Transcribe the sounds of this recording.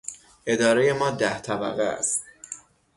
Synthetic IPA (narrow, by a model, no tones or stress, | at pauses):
ʔe̞d̪ɒːɾeje̞mɒːd̪æht̪ʰæbæ̰ɣeæ̰st̪